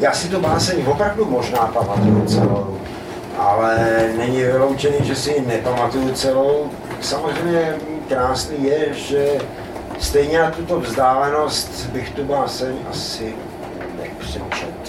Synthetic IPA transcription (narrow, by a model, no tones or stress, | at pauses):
jaːsɪt̪ubaːsɛɲvopɾavdumoʒnaːpamat̪ujut͡sɛ̰low | ʔalɛnɛɲɪvɪlo̞wt͡ʃɛniːʒɛsɪnɛpamat̪ujut͡sɛlow | samozr̝ɛjmɲɛkɾaːsniːjɛʒɛ | st̪ɛjɲɛnat̪ut̪o̞vzdaːlɛno̞st̪bɪxt̪ubaːsɛɲʔa̰sɪ | nɛ̰pr̥ɛt͡ʃɛ̰t̪